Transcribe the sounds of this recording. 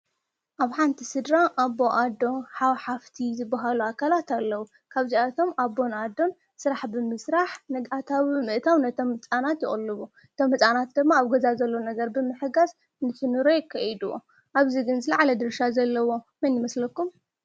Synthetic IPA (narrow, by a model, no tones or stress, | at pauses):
ʔaβħant̪ʰisɨd̪ɾaʔabːo̞ʔad̪o̞nħawħaft̪ʰizɨbːaɦaluakʰalat̪alːɐwu | kʰaβziat̪ʰo̞mabːo̞nad̪o̞n | sɨɾaħbɨmɨsɾaħnɨɡat̪ʰawmɨʔt̪ʰawnɐt̪ʰomɨt͡sʼanat̪jɪχʼlːɨβu | ɨt̪ʰomɨt͡sʼanat̪̚d̪ɨmːaːβɡɐzazɐlːonɐɡɐɾbɨmɨħɨɡaz | nɨt̪ʰɨnuɾokʰɐjid̪wo̰ | ʔaβziɡɨnzɨlaʕlɐd̪ɨɾʃazɐlːɐwo̞ | mɐnjɪmɐslɐkːum